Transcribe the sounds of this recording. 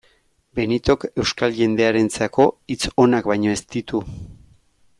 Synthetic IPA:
be̞nit̪o̞ke̞wskalʝe̞nd̪e̞aɾe̞nt͡sako̞it͡so̞nakbajɲo̞e̞st̪it̪u

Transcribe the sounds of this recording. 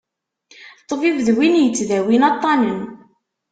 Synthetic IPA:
t̪ˤːəvivəðwinjət͡sːðæwinɑt̪ˤːɑnən

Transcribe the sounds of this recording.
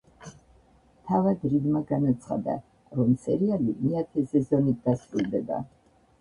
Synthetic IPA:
t̪ʰavad̪ɾid̪maɡanat̪sʰχa̰d̪a̰ | ɾɔmsʰʼɛ̰ɾialimiat̪ʰɛzɛzɔnit̪̚d̪asɾulˠd̪ɛba̰

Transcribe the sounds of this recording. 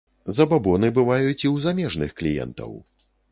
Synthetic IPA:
zɐbabɔnɨbɨvajut͡sʲiwzamʲɛʐnɨxklʲijɛ̰nt̪ɐ̰w

